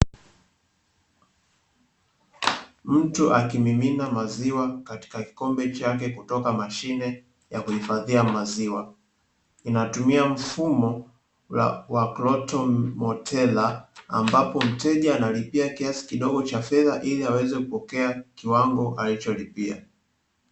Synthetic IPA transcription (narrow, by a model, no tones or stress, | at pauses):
m̩tuʔakimiminamaziwakati̥kaki̥kɔmbɛt͡ʃak̬ɛkutɔkamaʃinɛ | jakuhifaðiamaziwa | inatumiam̩fumɔ | wa̰waklɔtɔmɔtʰɛla̰ːmbapɔm̩tɛʄaːnalipiakiasi̥kiɗɔɠɔt͡ʃafɛðaʔiliawɛzɛkupɔkɛakiwaŋɡɔʔalit͡ʃɔlipia̰